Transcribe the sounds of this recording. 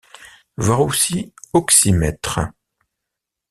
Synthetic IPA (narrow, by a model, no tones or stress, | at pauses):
vaʁusiɔksimɛt̪χə